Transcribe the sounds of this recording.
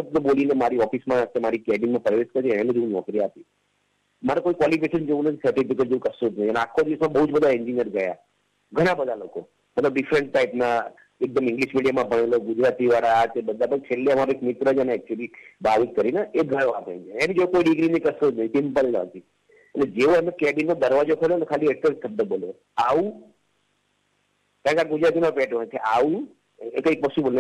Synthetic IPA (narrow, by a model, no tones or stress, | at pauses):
səb̚t̪obolinemaɾiɔfismãət̪ːamaɾikɛɖimãpɾəʋeskəɾt̪iɛẽled͡ʒeʋũnɔ̰kɾiap̪i | maɾekoikwɔlipeʃənd͡ʒeũnət̪ʰisəɾʈipikeʈ̚d͡ʒeũkəsod͡ʒnət̪iəneakʰːod̪iʋəsmãbəɦud͡ʒbəd̪ʱaeɲd͡ʒinijəɾɡəja̰ | ɡʱəɽ̃ãbəd̪ʱaloko | mət̪ləbɖɪfɾəɳʈ̚ːaipna | ek̚d̪əmɪ̃ŋɡliʃmiɖijamãbʱəɽ̃eloɡud͡ʒɾat̪iʋaɾat̪ebəd̪ʱabək̚t͡ʃʰelːeəmaɾoekmɪt̪ɾəd͡ʒəneɛk̚t͡ʃuəlibaʋit̪̚kəɾinaʔeɡʱəɾãpə̰ĩd͡ʒeenid͡ʒokoiɖiɡɾinikəsod͡ʒnəisimpəlnə̰ət̪ʰi | ḛled͡ʒeoəmekɛbinmãd̪əɾʋad͡ʒokʰoljonekʰaliɛʈəɾkʰəd̪əboljo | aʋũ | kãkaɡud͡ʒɾat̪imãpɛʈʋãnt̪ʰiʔaʋũ | ekəipɔsibəln